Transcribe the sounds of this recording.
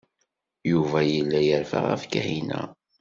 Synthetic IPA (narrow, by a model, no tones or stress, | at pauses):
juvæjəlːæjəɾfə̰ʁæ̰fkæ̰hinæ̰